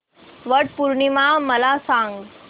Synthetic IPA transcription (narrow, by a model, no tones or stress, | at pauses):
ʋəʈpuɾɳimamɐlasãːŋɡ